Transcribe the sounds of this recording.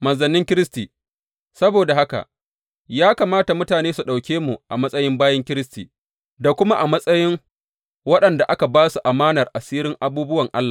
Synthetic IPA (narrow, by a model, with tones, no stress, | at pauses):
mɐ˨nzɐ˨nːɪ˦ŋkʲɪ˦ɾɪ˦stiː˨ | sɐ˦boː˨da˨ha˦ka̰˨ | jaː˦ka˨maː˦ta˨mʊ˦taː˨neː˦su˨ɗa˨wkʲeː˦mu˨ʔa˨mɐ˦sʼɐ˦jɪ˦mbaː˦jɐ˦ŋkʲɪ˦ɾɪ˦stḭː˨ | da˨kʷʊ˦ma˦ʔa˨mɐ˦sʼɐ˦jɪ˦ŋ | wɐ˦ɗɐ˨nda˨ʔa˦ka˨baː˦su˨ʔa˨maː˦nɐ˨rʔa˨siː˦ɾɪ˦ŋʔa˨buː˦bʊ˦wɐ˨ŋʔa̰˦lːaː˨